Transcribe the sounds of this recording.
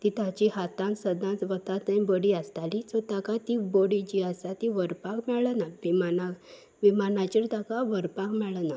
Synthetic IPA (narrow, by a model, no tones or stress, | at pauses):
t̪it̪at͡ɕiɦat̪ãnsəd̪ãnt͡sʋət̪at̪əĩbəɽiəst̪alit͡sɔt̪akat̪iboɽid͡ʑiasat̪iʋəɾpakmɛɭənaʋimana | ʋimanat͡ɕiɾt̪akaʋəɾpakmɛɭəna